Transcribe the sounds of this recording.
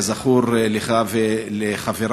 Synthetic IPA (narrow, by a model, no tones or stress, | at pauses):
zaχuɾleχavleχaveɾ